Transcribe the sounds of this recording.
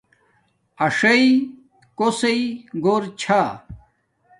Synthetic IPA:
ɐʂɐi | kosɐiɡoːɾt͡ɕʰa

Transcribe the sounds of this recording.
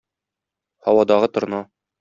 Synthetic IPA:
hɒwɑd̪ɑʁɤt̪ŏɾ̆nɑ

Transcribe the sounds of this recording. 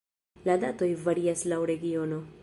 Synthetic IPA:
lad̪at̪o̞jvaɾiaslawɾeɡiono

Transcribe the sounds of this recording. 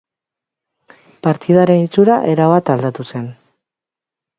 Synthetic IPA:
paɾt̪iðaɾe̞nit͡suɾaʔe̞ɾaβat̪ald̪at̪use̞n

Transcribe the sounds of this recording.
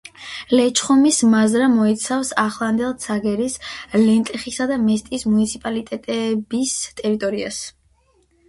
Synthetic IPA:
lɛt͡ʃʰχɔmismazɾamɔit̪sʰafsaχlˠand̪ɛlˠt̪sʰaɡɛɾislɛnt̪ʼɛχisad̪amɛst̪ʼiːsmunit̪sʰipʼalit̪ʼɛt̪ʼɛbist̪ʼɛɾit̪ʼɔɾia̰s

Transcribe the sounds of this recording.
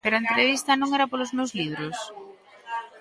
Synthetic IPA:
peɾoent̪ɾeβist̪ɐnõŋɛɾɐpolʊzmewzliβɾʊs

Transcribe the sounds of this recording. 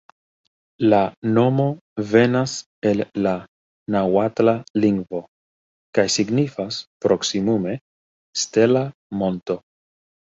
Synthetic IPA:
lano̞mo̞ve̞nas | e̞lːa | nawatlaliŋɡvo̞ | kajsiɡnifaspɾo̞ksimume̞ | ste̞lamo̞nto̞

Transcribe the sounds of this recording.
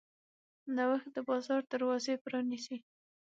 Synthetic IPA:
nawəx̚d̪əbɑzɑɾd̪əɾwɑzepɾɑnisi

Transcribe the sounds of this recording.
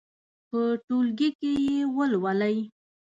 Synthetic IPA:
pəʈolɡikejewəlwalaj

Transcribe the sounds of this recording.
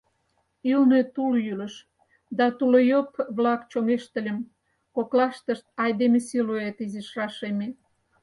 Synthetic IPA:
ilnet̪uljyləʃ | d̪ɑt̪ulojopβlɑkt͡ɕomeʃt̪ə̆lʲəm | koklɑʃt̪əʃt̪̚ɑjd̪emesiloet̪iziʃrɑʃeme

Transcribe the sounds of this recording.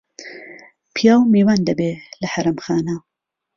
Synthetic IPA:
pʰijaːwmeːwaːnd̪ɐbelɐħɐɾɐmxaːna

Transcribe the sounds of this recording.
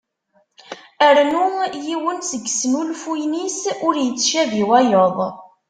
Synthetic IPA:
əɾnujiwənsəɡsmulfujnisʊɾjət͡sːʃæviwæjoðˤ

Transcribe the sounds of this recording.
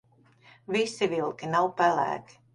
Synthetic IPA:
visivilˠkinawpælæ̰ːki̥

